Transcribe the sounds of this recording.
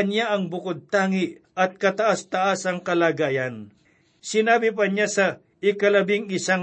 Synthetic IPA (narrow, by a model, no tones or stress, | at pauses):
njaɐŋbʊkod̪̚t̪aːŋɪʔ | ɐt̪̚kɐt̪ɐʔast̪ɐʔasɐŋkɐlaːɡaːjɐn | sɪnaːbɪp̬ɐɲasɐ | ɪkɐlɐbɪŋɪsaŋ